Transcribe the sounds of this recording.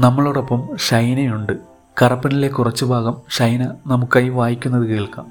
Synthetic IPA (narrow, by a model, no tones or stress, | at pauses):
nɐmːɐɭoɽɐpːɐmɕɐjnɐjuɳɖɨ | kɐrɐpːɐnilekːurɐt͡ɕːɨbʱaːɣɐmɕɐjnɐnɐmukːaːjuʋaːjikʲːunːɐðɨkeːɭkaːm